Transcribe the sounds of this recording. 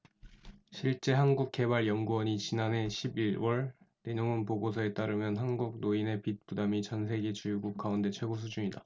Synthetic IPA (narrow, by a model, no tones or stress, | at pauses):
ɕʰiɭt͡ɕ͈e̞ɦanɡuk̚k͈e̞baɭjʌŋɡuwʌɲit͡ɕinane̞ɕʰibiɾwʌɭne̞ɲoŋɯnpoɡosʰʌe̞t͈aɾɯmjʌnɦanɡuɡ̚noine̞pit̚p͈udamit͡ɕʌnsʰe̞ɡe̞t͡ɕujuɡuk̚k͈aunde̞t͡ɕʰwe̞ɡos̬ʰud͡ʑuɲida